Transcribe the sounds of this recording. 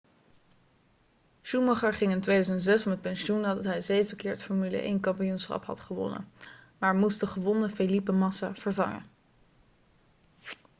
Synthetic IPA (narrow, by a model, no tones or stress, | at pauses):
ʃumɑχɑɹχɪŋɪntʋejdøzənzɛsfɑmɦət̚pɛnʃunaːdɑtɦɛjzejvəkɪːɹtfɔɹmylə̰ʔḛjnkɑmpijunsχɑ̰pɦɑ̰tχəʋɔ̰nə̰maːɹmusdəχəʋɔnəfelipəmɑsav̥əɹvɑ̰ŋə̰